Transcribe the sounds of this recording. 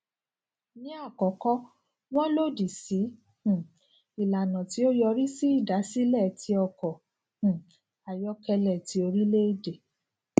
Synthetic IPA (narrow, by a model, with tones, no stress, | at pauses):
nĩ˨˦a˦˨kɔ˨˦kɔ˦ | w̃ɔ̃˦lo˦˨di˨si˨˦ | h̩˨ | i˨la˨nã˨ti˨˦o˦jɔ˧ɾi˦si˦i˦˨da˨˦si˦lɛ˦˨tʰi˧˦ɔ˧kɔ̃˨ | a˨jɔ˧˦kɛ˧lɛ˨ti˨˦o˧ɾi˦le˦i˦de˨